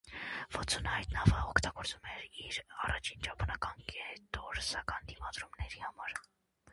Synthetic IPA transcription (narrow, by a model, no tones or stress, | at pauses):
vɔt͡sʰunəhɑjt̪nɑvəɔkʰt̪ɑɡɔɾt͡sumɛɾiɾɑrɑt͡ʃʰint͡ʃɑpʰɑnɑkɑnkɛt̪ɔɾsɑkɑnd̪imɑd̪ɾumnɛɾihɑmɑɾ